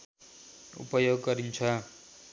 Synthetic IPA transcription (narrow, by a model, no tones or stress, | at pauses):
ṵpʌjoɡːʌɾint͡sʰʌ